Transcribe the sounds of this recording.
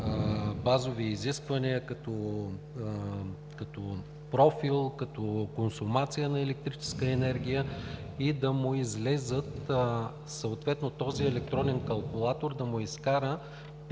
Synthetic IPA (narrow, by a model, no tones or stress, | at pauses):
bazoviːziskvɐniəkɐt̪ɔ | kɐt̪ɔ | pɾɔfilˠkɐt̪ɔkonsʊmat̪sijənɐɛlɛk̚t̪ɾit͡ʃɛ̥skəɛnɛɾɡʲijəid̪ɐmʊizlɛzət̪ | səot̪vɛt̪not̪ɔziɛlɛk̚t̪ɾɔnɛnkɐlˠkʊlˠat̪oɾd̪ɐmʊiskaɾə | p